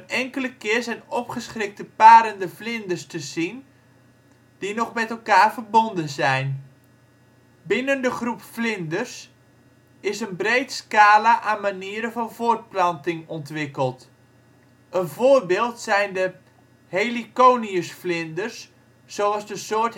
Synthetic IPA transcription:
ənɛŋkələkɪəɹzɛjnɔpχəsχrɪk̚təpaːɾəndəflɪndərstəzin | d̥inɔχmɛtəlˠkaːɹvərbondənzɛjn | bɪnəndəχrupflɪndərs | ɪsənbrejtskaːlaʔaːnmaniəɾəvɑnvʊːrt̚plɑntɪŋɔntʋɪkəlˠt | ənvʊːrbɪːlˠtsɛjndə | helikoːniəsflɪndərsː | owɑzdəsʊərt

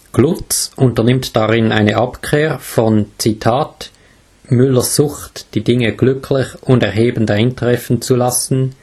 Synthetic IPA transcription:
ɡ̥lʊt͡sʔʊntɐnɪmtd̥aʁɪnaɪnəʔapkʰʁ̥eːʁfɔnt͡sitʰaːt | mʏləzʊxtd̥iːdɪŋəɡ̥lʏkʰlɪçʊndɛʁɦeːbən̩daɪntʁɛfn̩t͡sulasn̩

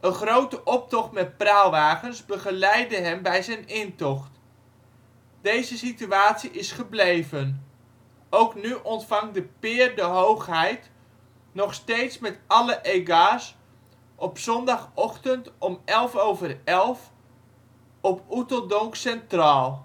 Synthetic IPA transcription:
ʔəχrowtəʔɔp̚tɔχtmɛt̚prawʋaːχənzbəχəlɛjdəɦɛmbɛjzɛjnɪntɔχt | d̥ejzəsityaːtsiʔɪsχəblejvən | owknyʔɔntfɑŋdəpɪːrdəɦowχɦɛjt | nɔχstejtsmɛtɑləʔejɡaːs | ʔɔpsɔndɑχɔχtəntɔmɛlˠfowvərɛlˠf | ɔputəlˠdɔŋksɛntraːlˠ

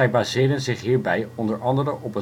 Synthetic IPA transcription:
ɛjbaːzɪːdənzɪχɦiːɹbɛjɔndəɹʔɑndərəʔɔpə

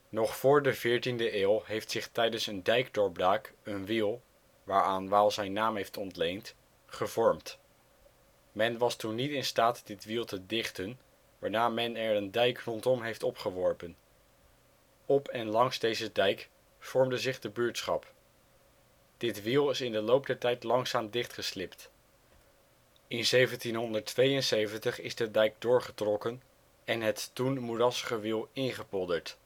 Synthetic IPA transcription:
nɔχfʊːɹdəvɪːɹtindəʔeːlˠɦejftsɪχtɛjdənsəndɛjkdɔɹblaːkənʋilˠ | ʋaːɹaːnʋaːlˠzɛjnːaːmɦejftɔntlejnt | χəvɔɹmt | mɛnʋɑstunːitɪnstaːtdɪtʋilˠtədɪχtən | ʋaːɹnaːmɛnɛɹəndɛjkrɔntɔmɦejftɔpχəʋɔɹpən | ɔpʰɛnlɑŋzdejzədɛjk | fɔɹmdəzɪχdəbyːɹtsχɑ̰p | d̥ɪtʋilˠɪsɪndəlowp̚dɛɹtɛjtlɑŋsaːmdɪχtχəslɪpt | ɪnzejvəntinɦɔndəɹtʋejənsejvəntəχɪzdədɛjk̚dʊːɹχətrɔkən | ɛnɦətːunmurɑsəχəʋilˠɪnχəpɔdəɹt

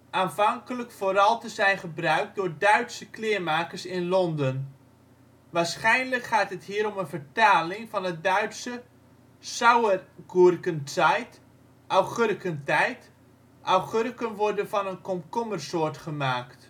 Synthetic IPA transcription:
ʔaːnfɑŋkələkfoːɾɑlˠtəzɛjnχəbrœɥk̚dʊːɹdœɥtsəklɪərmaːkəɹsɪnlɔndən | ʋaːɹsχɛjnləkχaːtɦəthiːəɾɔmənvəɹtaːlɪŋfɑnət̚dœɥtsə | sawərɡurkəntajt | ʔawχørkəntɛjt | ʔawχørkənʋɔrdənfɑnənkɔmkɔmərsoːɹtχəmaːkt

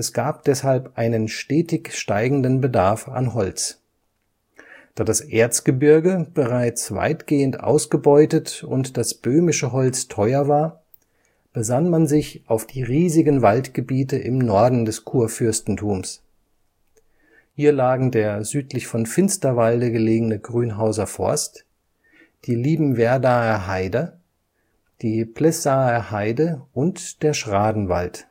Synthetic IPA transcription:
ʔɛsɡ̥aːp̚d̥ɛshalpʔaɪnənʃteːtɪçʃtaɪɡŋ̩dənbədaɐfa̰nɦɔlt͡s | d̥aːdasʔeːɐt͡sɡ̥əbɪɐɡəb̥əʁaɪt͡sv̥a̰ɪtɡ̥eːəntʔa̰ʊsɡ̥əbɔʏtətʊ̰ntd̥asb̥øːmɪʃəɦɔlt͡stʰɔʏɐvaːɐ | b̥əzanmanzɪçʔaʊfd̥iːʁiːzɪɡənvaltɡ̥əbiːtəʔɪmnɔɐdn̩dɛskʰuːɐfʏɐstn̩tʰuːms | hiːɐlaːɡŋ̩deːɐzyːtlɪçfɔnfɪnstɐvaldəɡəleːɡənəɡʁyːnɦaʊzɐfɔ̰ɐst | d̥iːliːbm̩vɛɐdaːɛɦaɪdɐ | d̥iːpʰl̥ɛsaːɛhaɪdəʔʊntd̥eːɐʃʁ̥aːdn̩va̰lt

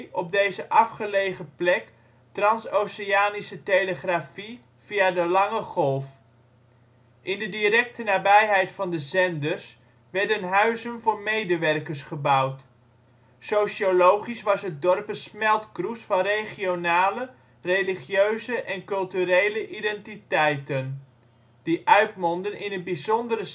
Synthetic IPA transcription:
ɔb̚dejzəʔɑfχəlejχəplɛk | trɑnsowsəaːnisətejləχrafi | v̥iadəlɑŋəχɔlˠf | ʔɪndədiɾɛk̚tənaːbɛjɦɛjtfɑndəzɛndəɹs | ʋɛɹdənɦœɥzənvʊːɹmejdəʋɛrkəɹsχəbʌwt | sowʃiolowχisʋɑsɦət̚dɔrpəsmɛlˠtkrusfɑnrejχionaːlə | rejliχjøɥzəʔɛnkɵlˠtyɾejləʔidɛntitɛjtən | d̥iʔœɥtmɔndənɪnənbizɔndərə

